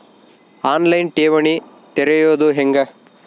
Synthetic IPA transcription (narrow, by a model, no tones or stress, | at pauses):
aːnlɐjnʈeːʋɐɳi | t̪eɾejoːd̪uɦeŋɡɐ